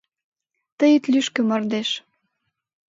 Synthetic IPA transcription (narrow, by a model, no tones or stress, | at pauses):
t̪əjət̪lyʃk̆mɑrd̪eʃ